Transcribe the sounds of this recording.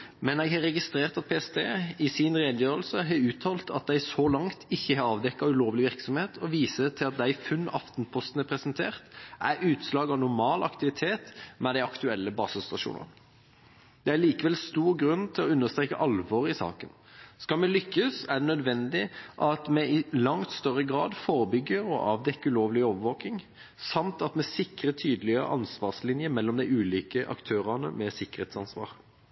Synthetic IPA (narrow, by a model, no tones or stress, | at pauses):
mɛneːɡhɑɾɛɡɪst̪ɾeːʁt̪ɑt̪̚pʰeːɛst̪ʰeːɪsɪnʁeːd̪jøːɾəlsəɦɑʉːt̪ʰɑːlt̪ʰɑt̪̚d̪æɪsɔlɑŋt̪ʰɪçːəhɑɾɑːʋd̪ɛkːɑʉloːʋəlɪʋɪɾksɔmheːt̪ʰɔʋiːsət̪ʰɪlɑt̪̚d̪æɪfʉnːɑ̰ft̪npʰɔst̪ən̩æpʰɾɛsənt̪ʰeːʁt̪ʔæɾʉːt̪slɑːɡɑʋnʊɾmɑːlɑ̰kt̪ɪʋɪt̪ʰeːt̪mɛd̪æɪɑkt̪ʉɛlːəbɑ̰ːsəst̪ɑʃṵːnə̰n | d̪̥ɛæɭiːkəʋɛlst̪uːɾɡʁʉnːt̪ʰɪlɔʉnːəst̪ɾeːkəʔɑlʋɔʁɪsɑ̰ːkən | skɑlmɛlʏkːəsæɖ̪ɛnœd̪ʋɛnd̪ɪʔɑt̪mɛɪlɑŋt̪st̪œʁːəɡʁɑːd̪foːɾəbʏɡːəɾɔ̰ʔɑʋd̪ɛkːʉloːʋlɪoːʋəʋoːkɪŋ | sɑmt̪ɑt̪mɛsɪkʁət̪ʰyːd̪əlɪə̰ʔɑnsʋɑːʁslɪnjəmɛlːɔmd̪æɪʉːliːkəʔɑ̰kt̪ʰøːʁɑnə̰mɛsɪkːə̥ʁheːt̪sɑnsʋɑ̰ːʁ